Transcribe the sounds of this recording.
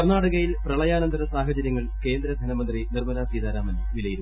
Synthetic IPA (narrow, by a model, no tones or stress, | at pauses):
ɐrnaːɽɐɣɐjilprɐɭɐjaːnɐnd̪ʰʱɐɾɐsaːɦɐt͡ɕɐɾjɐŋːɐɭke̞ːnd̪ɾɐd̪ʱɐnɐmɐnd̪rinirmɐnaːsiːd̪aːɾaːmɐn | ʋilɐjiɾu